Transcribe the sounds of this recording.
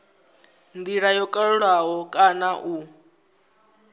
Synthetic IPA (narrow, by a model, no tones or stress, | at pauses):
nd̪iɺajɔkʼaɺuɺwaɦɔkʼanaʔu